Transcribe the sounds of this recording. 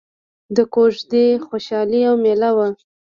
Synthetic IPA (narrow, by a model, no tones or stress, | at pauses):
d̪əkoʒd̪exoʃɑliawmelawa